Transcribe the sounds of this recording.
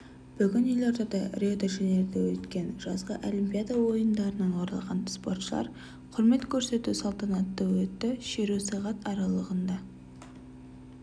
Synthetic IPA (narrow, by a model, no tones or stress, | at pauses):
b̥ʏɡʲɪnjɪjlˠɑɾd̪ɑd̪ɑrʲiod̪aʒene̞ɾd̪ewɵt̪kʲe̞nʒ̥ɑzʁə̰ʔolimpʲijad̪ɑwo̞jənd̪ɑɾənɑnoɾɑ̰lˠʁɑ̰nspo̞rt̪ʃəlˠɑ̰ɾ | qʰʊɾme̞t̪kʲʰɵɾse̞t̪usɑlˠt̪ɑnɑt̪ːɑwɵt̪ːɪʃeɾusɑʁɑt̪ɑɾɑlˠəʁənd̪ɑ